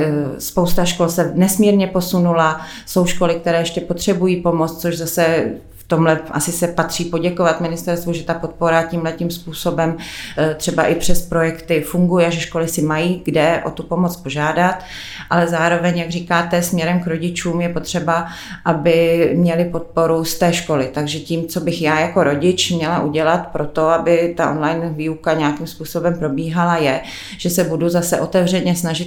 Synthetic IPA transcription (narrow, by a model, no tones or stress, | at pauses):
spowst̪aʃko̞lsɛnɛsmiːɾɲɛpo̞sunula | so̞wʃko̞lɪkt̪ɛɾɛːjɛʃcɛpot̪r̝̥ɛbujiːpo̞mot͡s̪t͡soʒzasɛ | ft̪o̞mlɛʔasɪsɛpat̪r̝̥iːpo̞ɟɛkovat̪mɪnɪst̪ɛɾst̪vuʒɛt̪apo̞t̪̚po̞ɾaciːmlɛcimspuːso̞bɛmt̪r̝̥ɛbaʔɪpr̝̥ɛspɾo̞jɛkt̪ɪfuŋɡujɛʒɛʃko̞lɪsɪmajiːɡdɛʔo̞̰t̪upo̞mot͡spo̞ʒaːdat̪ | ʔalɛzaːɾo̞vɛɲjaɡriːkaːt̪ɛsmɲɛɾɛmkɾo̞ɟɪt͡ʃuːmjɛpo̞t̪r̝̥ɛba | ʔabɪmɲɛlɪpo̞t̪̚po̞ɾust̪ɛːʃko̞lɪt̪aɡʒɛciːmt͡so̞bɪxjaːjako̞ɾo̞ɟɪt͡ʃmɲɛlaʔuɟɛlat̪pɾo̞t̪o̞abɪt̪aʔo̞nlajnviːukaɲɛjakimspuːso̞bɛmpɾo̞biːɦalajɛ | ʒ̥ɛsɛbuduzasɛʔo̞t̪ɛvrɛɲɛsnaʒɪt̪